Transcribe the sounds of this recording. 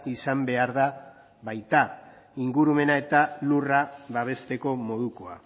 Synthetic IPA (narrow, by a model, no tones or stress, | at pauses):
isambe̞aɾða | βajt̪a | iŋɡuɾume̞nae̞t̪aluraβaβ̞e̞st̪e̞ko̞mo̞ðukoa̰